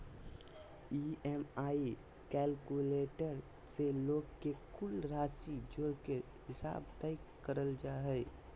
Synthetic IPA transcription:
iɛmaːi | kɛːlkuleːʈəɾ | seloːɡkekʊlɾaːsid͡ʒoːɾke | ɦɪsa̰ːbt̪ɛɪkkːəɾəld͡ʒaːɦɛɪ

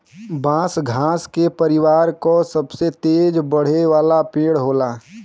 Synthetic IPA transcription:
bãːsɡʱãːskepəɾɪwaːɾkosɐbset̪eːd͡ʒbəɽ̤eʋaːlapeːɽɦoːlaː

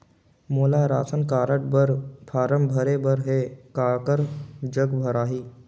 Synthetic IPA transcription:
moːlaɾaːsənkaːɾəʈ̚bəɾpʰaːɾəmbʱəɾebəɾɦekaːɭkəɾd͡ʒəɡbʱəɾaːɦiː

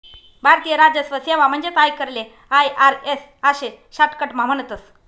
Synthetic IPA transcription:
bʱaɾt̪ijəɾad͡ʑjəsʋəsjaʋam̤ənd͡ʑet̪ajkəɾle | ajʔaɾes | aɕe | ɕaʈkəʈmam̤ənət̪əs

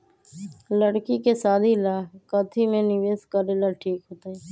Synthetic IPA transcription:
ləɽkikesaːd̪ʱilaːkət̪ʰimẽnɪʋeːskəɾeːlaʈʰiːkɦoːt̪aɛː

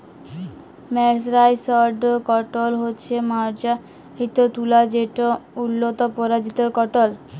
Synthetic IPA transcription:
mɛɾs̬ɾajsɔɾɖkɔʈolɦotːɕʰemaɾd͡ʑa | ɦit̪ot̪ulad͡ʑeʈoulːot̪opɔɾad͡ʑit̪oɾkɔʈol

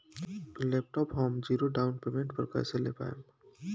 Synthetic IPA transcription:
leːp̚ʈɔːpɦɔːmd͡ʒiːɾoɖaːʊnpeːmẽɳʈ̚pəɾkɛ̰ːselḛpa̰ːḛm

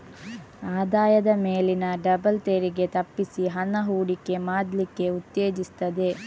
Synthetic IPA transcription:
aːd̪aːjɐd̪ɐmeːlinɐɖɐbɐlt̪eɾiɡe̞t̪ɐpːisiɦɐnɐɦuːɽikːe̞maːd̪likːe̞ut̪ːeːd͡ʒist̪ɐd̪e̞

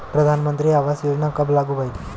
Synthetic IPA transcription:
pɾəd̪ʱanmənt̪ɾiːaʋasjod͡ʑnakəblaɡubai

